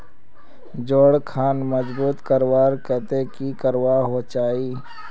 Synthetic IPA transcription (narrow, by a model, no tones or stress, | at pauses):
d͡ʒoːɽkʰaːnməd͡ʒbuːt̪kəɾwaːɾkɛːt̪ekikəɾwaɦot͡ʃaːiː